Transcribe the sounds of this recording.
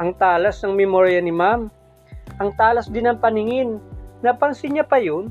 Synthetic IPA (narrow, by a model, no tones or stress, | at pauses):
ʔɐŋt̪aːlɐsnɐŋmɛmoɾjɐnɪmam | ʔɐŋt̪aːlɐsd̪ɪnɐŋpɐnɪŋɪnːɐpɐnsɪɲɐpɐjon